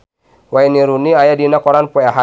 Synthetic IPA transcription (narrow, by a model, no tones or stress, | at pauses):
wainiɾuniajadinakɔɾanpuaɦa